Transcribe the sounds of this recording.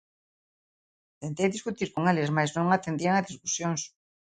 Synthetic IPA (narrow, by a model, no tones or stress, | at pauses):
t̪ent̪ejðiskut̪iɾkoŋelezmajznõŋat̪end̪iaŋazðiskusjoŋs